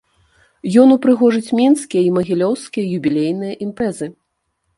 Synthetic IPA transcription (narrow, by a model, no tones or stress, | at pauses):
jɔnupɾɨɣɔʐɨt͡sʲmʲɛnskʲijɐimɐɣʲilʲɔwskʲijɐjubʲilʲejnɨjɐʔimpɾɛzɨ